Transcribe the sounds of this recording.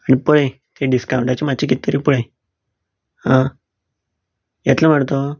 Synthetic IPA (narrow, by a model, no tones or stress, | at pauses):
aɽ̃ipəɭe | t̪ʰeɖiskaw̃ɳʈat͡ɕemat͡ɕikit̪ːəɾipəɽẽ | hã | jat̪ləm̤aʈt̪o